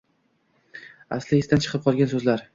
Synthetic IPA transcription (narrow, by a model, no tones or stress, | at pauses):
a̰slɪɪst̪ant͡ʃʰɨ̥qʰɨp̚qʰɒlˠɡʲansɵzlaɾ